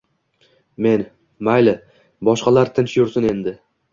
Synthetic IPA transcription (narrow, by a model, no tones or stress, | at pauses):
me̞n | majlɪ | bɒʃqɑlaɾt̪ʰɪnʃjʊɾsʊne̞nd̪ɪ